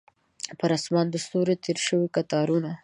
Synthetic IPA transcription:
pəɾɑsmɑnd̪əst̪oɾet̪ʰeɾʃəwikat̪ɑɾuna

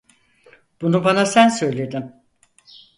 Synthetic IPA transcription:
b̥unubanasænsø̞jlʲe̞d̪im

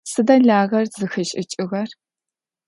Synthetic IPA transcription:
sɨdɐɮaːʁɐrzɨxɨɕʼɪt͡ʃʼɪʁɐr

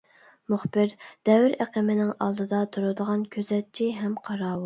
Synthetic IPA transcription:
mʊχbɪɾd̪̥ɛwɪɾɛqəmɪnɪŋɑ̰lˠd̪ɨd̪ɑt̪ʰuɾud̪əʁɑnkʲʰøzɛt̪̚t͡ʃʰiɦɛmqʰɑɾɑːwu

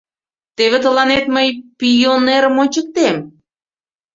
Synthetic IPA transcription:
t̪eβet̪ə̆lɑnet̪məjpijoneɾəmot͡ɕək̚t̪em

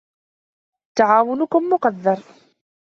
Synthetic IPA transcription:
t̪aʕaːwʊnʊkʊmːʊqɑd̪ːɑɾˤ

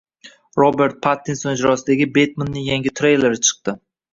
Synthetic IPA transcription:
ɾobe̞ɾt̪̚pʰat̪ːinsonɪd͡ʒɾɒsɪd̪aɡʲɪbet̪manːɪŋjaŋɡʲɪt̪ʰɾejle̞ɾɪt͡ʃʰɨ̥q̚t̪ɪ

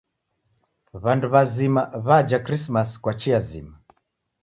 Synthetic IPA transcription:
βanduβazimaβad͡ʒakɾismaskwat͡ʃiazḭma

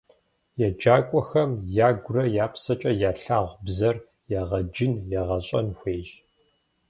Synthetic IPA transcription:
jɛd͡ʒaːkʷʼɔxɐmjaːɡʷʊrɐjaːpsɐt͡ʃʼɐjaːɬaːʁʷbzɐr | jaʁɐd͡ʒɪnjɛʁɐɕʼɐ̰nxʷeːʒ

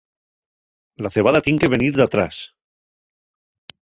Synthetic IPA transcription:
laθe̞β̞aðat̪je̞ŋke̞βe̞niɾðat̪ɾa̰s

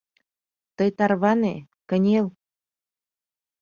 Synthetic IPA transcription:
t̪əjt̪ɑrβɑne | kə̆nʲel

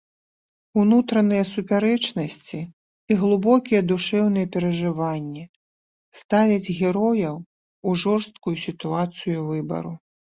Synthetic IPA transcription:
unut̪ɾɐnɨjɐsupʲaɾɛt͡ʂnɐsʲt͡sʲiː | ɣlˠɨbɔkʲijɛd̪uʂɛwn̪ɨjɛpʲɛɾɐʐɨvanʲːɛ | st̪avʲɐd͡zʲɣʲɛɾɔjɐw | uʐɔrst̪̚kujusʲit̪uat̪sɨjuvɨbɐ̰ɾu

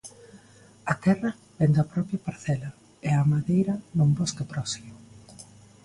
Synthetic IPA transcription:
ɐt̪ɛrɐ | b̥ɛnd̪ɐpɾɔpjɐpaɾθɛlɐ | eamaðejɾɐnumboskep̪ɾɔsimʊ

